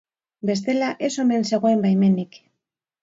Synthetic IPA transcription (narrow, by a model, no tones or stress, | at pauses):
be̞s̬t̪e̞laʔe̞so̞nense̞ɣ̞oembajme̞nik